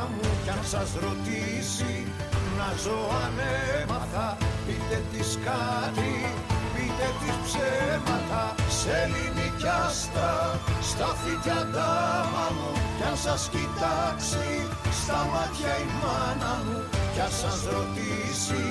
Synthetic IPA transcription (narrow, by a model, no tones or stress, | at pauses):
mucɐnsɐzɾo̞t̪i | si | nɐzoɐnemɐt̪ɐpit̪et̪iskɐt̪ɾi | pit̪et̪ispsemɐt̪ɐselinicɐst̪ɐst̪ɐfit̪ɐd̪ɐmɐmucɐnsɐscit̪ɐksi | st̪ɐmɐt̪çɐimɐnɐmucɐsɐzɾot̪i | si